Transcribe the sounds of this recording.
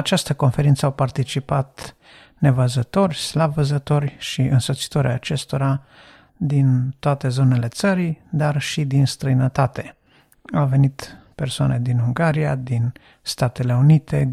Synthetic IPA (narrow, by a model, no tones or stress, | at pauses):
at͡ʃast̪əko̞nfe̞ɾint̪səawpart̪it͡ʃipat̪ | ne̞vəzət̪o̞rʲslavəzət̪o̞rʲʃiɨnso̞t̪si̥t̪oɾeaːt͡ʃe̞st̪o̞ɾa | d̪int̪oat̪e̞zo̞ne̞le̞t̪səɾid̪arʃid̪inst̪ɾəjnət̪at̪e̞ | awve̞nit̪pe̞rsoa̰ne̞d̪inuŋɡaɾijad̪in | st̪at̪e̞le̞unit̪e̞